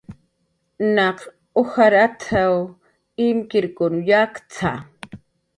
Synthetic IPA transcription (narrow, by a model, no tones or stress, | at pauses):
naq | oxaɾat̪ʰaw | ɪmkɪɾkʊnjakt͡sʰa̰